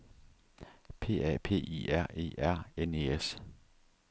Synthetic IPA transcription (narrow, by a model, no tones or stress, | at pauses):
pʰe̝̰ːɛpʰe̝̰ːiæɐ̰e̝̰ːʔæɐ̰ene̝̰es